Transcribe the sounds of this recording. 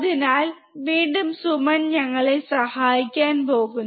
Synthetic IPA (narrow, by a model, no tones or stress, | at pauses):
ðinaːl | ʋiːɳɖumsumɐnɲɐŋːɐɭesɐhaːjikʲːaːnpo̞ːɣun